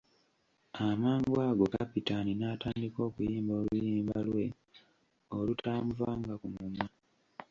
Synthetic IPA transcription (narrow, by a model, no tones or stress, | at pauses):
amaːŋɡwaːɡo̞kapitaninaːtaːndiko̞ːkujiːmbo̞ːlujiːmbalwe̞ | o̞lutʰaːmuvaŋɡakumumwa